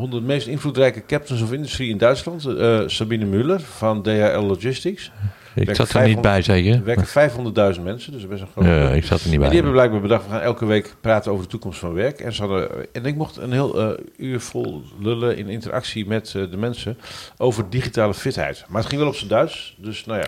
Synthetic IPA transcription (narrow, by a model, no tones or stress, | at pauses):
hondədəmejstɪnflutrɛjkəkɛp̚təns̬ɔfɪndystriɪndœɥtslɑntsabinəmølərfɔndeaʔɛlˠːod͡ʒɪstiks | ɛsatnibɛjsekəʋɛkəfɛjfɦondərt̚dœɥzəntmɛnsədøsbɛsənxroɪksɑ̰təniɛndihɛbəblɛjɡ̚baːɹbədɑxtʋəxaːnɛlˠkəʋeːkpraːtənowvərdətukɔmstfɔnʋɛɹkɛ̰nsəadəɛnɪk̚moxtə̰nɦɪəlˠyːɹfo̰lˠløləʔɪ̰nɪntərʔa̰ksimɛtdəmɛnsəʔowvərdiχitaːləfɪthɛ̰jtmaətχɪŋʋɛlˠɔpsədœɥtsdøsnaja̰